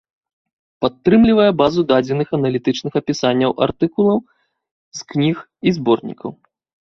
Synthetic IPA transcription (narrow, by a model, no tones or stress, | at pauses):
pat̪ːɾɨmlʲivɐjɛbazud̪ad͡zʲɛnɨxɐnɐlʲit̪ɨt͡ʂnɨxɐpʲisanʲːɐwʔa̰rt̪ɨkulˠɐw | sknʲix | izbɔrnʲḭkɐ̰w